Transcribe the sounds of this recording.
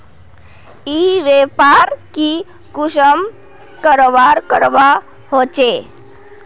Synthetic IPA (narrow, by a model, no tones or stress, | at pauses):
iʋepaɾki | kuɕəm | kəɾʋaɾkəɾʋa | ɦot͡ʃe